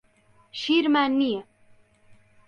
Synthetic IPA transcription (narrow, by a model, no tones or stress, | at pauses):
ʃiːɾmaːnːijɐ